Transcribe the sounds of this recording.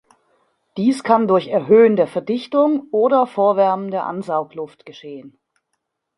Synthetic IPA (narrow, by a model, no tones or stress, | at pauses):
d̥iːskʰandʊɐçɛɐɦøːəndeːɐfɛɐdɪçtʊŋʔoːɾɐfoːɐvɛɐməndeːɐʔa̰nzaʊklʊftɡ̥əʃeːən